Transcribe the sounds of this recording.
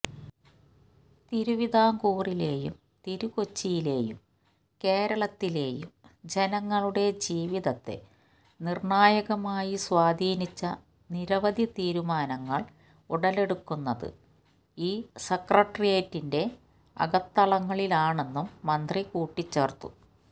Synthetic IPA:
t̪iɾuʋid̪ʱaːŋkuːrile̞ːjṵm | t̪iɾuko̞t͡ɕːijileːjṵm | ke̞ːɾɐɭɐt̪ːile̞ːjṵmd͡ʑe̞nɐŋːɐɭuɽe̞d͡ʑiːʋiðɐt̪ːe̞̰ | nirɳaːjɐɣɐmaːjiswaːd̪ʱiːnit͡ɕːɐ | niɾɐʋɐd̪ʱjɐt̪iːɾumaːnɐŋːɐɭ | uɽɐle̞ɽukːunːɐðɨ̰ | iːsekrɐʈːrijeːtːinde̞ | ɐ̰ɣɐt̪ːɐɭɐŋːɐɭilaːɳe̞nːumːɐnd̪rikuːʈːit͡ɕːeːrt̪ːu

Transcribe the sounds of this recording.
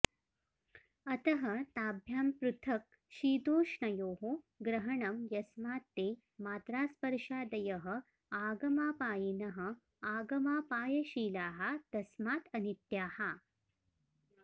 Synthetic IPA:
ɐt̪ɐɦɐt̪aːbʱjaːmpɾut̪ʰɐk̚ | ʃiːd̪oːʂɳɐjoːɦo | ɡɾɐɦɐɳɐmjɐsmaːt̪ːeː | maːt̪ɾaːspɐɾʂaːd̪ɐjɐɦə | aːɡɐmaːpaːjinɐɦɐ̆ | aːɡɐmaːpaːjɐɕiːlaːɦat̪ɐsmaːt̪ɐnit̪jaːha

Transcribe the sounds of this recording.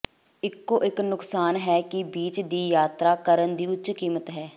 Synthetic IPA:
ɪkːoːʔɪknʊksaːnɦɛːkɪbiːt͡ʃd̪iːjaːt̪ɾaːkəɾənd̪iːʊtːt͡ʃkiːmət̪ɦɛː

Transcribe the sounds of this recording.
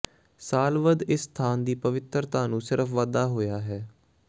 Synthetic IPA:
saːlʋəd̪ɪsːt̪ʰaːnd̪iːpəʋɪt̪əɾt̪aːnũːsɪɾəfʰʋaːd̪aːɦoːjaːɦɛː

